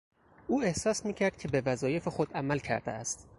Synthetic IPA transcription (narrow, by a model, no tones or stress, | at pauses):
ʔuːe̞hsɒːsmiːcʰæɾd̪̥̚cʰe̞bevæzɒːje̞fexod̪æmælcʰæ̰ɾd̪ḛæst̪